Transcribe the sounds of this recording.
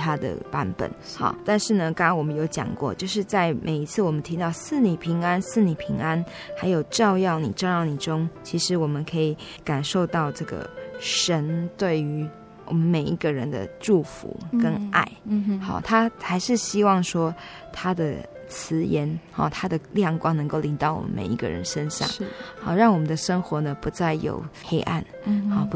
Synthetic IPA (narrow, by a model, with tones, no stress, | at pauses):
t̪ʰa˥d̪ə̰˨˩pa˧˥npə̰˨˩˦nxɑ̰˥˧˩t̪a˥˧nʂɻ̩˥˩nə˩kɑ˥ŋɑ˥nwɔ˨˩mə˦jo˧˥ʊt͡ɕjɑ̰˨˩ŋkwɔ̰˥˧t͡ɕjo˥˧ʊʂ̬ɻ̩˥˧t͡sa˥˩ɪmʔe˨˩ɪi˧˥t͡sʰɹ̩˥˩wɔ˨˩mə˦nt̪ʰi˧˥t̪ɑ˥˧ʊsɹ̩˥˨ni˨˩pʰi˧˥ŋa˦˥nsɹ̩˥˩˨ni˨˩pʰi˧˥ŋa˦˥n | xa˧˥ɪjo˨˩ʊʈ͡ʂɑ˥˧ʊjɑ˥˩ʊnḭ˨˩ʈ͡ʂɑ˥˧ʊjɑ˥˩ʊni˨˩ʈ͡ʂo˥ŋt͡ɕʰi˧˥ʂɻ̩˧˥wɔ˨˩mə˦nkʰə˧˥i˨˩˦ | ka˨˩nʂo˥˧ʊt̪ɑ˥˧ʊʈ͡ʂɤ˥˩ɡə̰˩ʂə˧˥nt̪we˥˩ɪy˧˥ | wʔɔ˨˩mə˦nme˨˩ɪi˧˥ɡə˨ɻə̰˧˦nd̪ə̰˧˨ʈ͡ʂu˥˩fṵ˧˦kə˦nʔa˥˩ɪhɑ̰˥˩t̪ʰa˥xa˧˥ɪʂɻ̩˥˩ɕi˥wɑ˥˩ŋʂwɔ˥ | t̪ʰa˥d̪ə̰˨ | t͡s̩ʰ˧˥jɛ˧˥nhɑ̰˨t̪ʰa˥d̪ə˨ljɑ˥˩ŋkwɑ˥ŋnɤ˧˥ŋko˥˩ʊli˧˥ŋt̪ɑ˥˩ʊwɔ̰˨˩mə̰˦nmḛ˨˩ɪi˧˥ɡə̰˨ɻə̰˧˦nəʂə˦nɕɑ̰˥˨˩ŋ˥hɑ̰˥˩ɻɑ˥˩ŋwɔ˨˩mə˨nd̪ə˨ʂə˥ŋxwɔ˧˥nə˨pu˧˥t͡sa˥˩ɪjo̰˨˩ʊxe˥ɪʔa̰˥˩n | ɑ˥˩p